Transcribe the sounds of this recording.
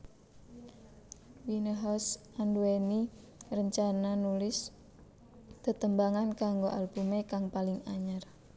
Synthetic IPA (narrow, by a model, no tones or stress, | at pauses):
winəɦɔs | anduweni | rəɲt͡ʃananulɪs | d̪̥ə̤t̪əmbaŋankaŋɡoʔa̰lb̥umekaŋpalɪŋa̰ɲər